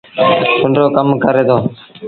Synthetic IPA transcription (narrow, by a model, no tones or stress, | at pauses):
ʊɳɾoːkəmkəɾeːd̪oː